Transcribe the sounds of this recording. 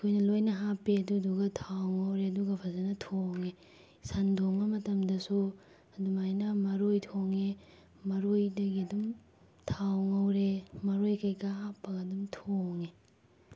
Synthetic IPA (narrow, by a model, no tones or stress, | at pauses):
ɐkʰojnɐlojnɐɦapːiɐduɐduɡɐtʰawŋɐwɾeɐduɡɐpʰɐzɐnɐtʰoŋe | sandʱoŋɐmɐtɐmdɐsu | ɐdumajnɐmɐɾojtʰoŋe | mɐɾojdɐɡiɐdum | tʰawŋɐwɾemɐɾojkɐjkaɦapːɐɡɐdumtʰoŋe